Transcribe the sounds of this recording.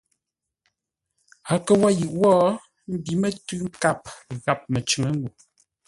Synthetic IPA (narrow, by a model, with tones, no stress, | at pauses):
a˨˦kə˨wa˦jʉ˨ʔwɔː˦ | m̩˦bi˨˦mə˦tʉ˦ŋ̩˦ka˦p̚ɣa˨p̚mə˨t͡ʃʉ˨ŋə˦ŋ˦ɡu˨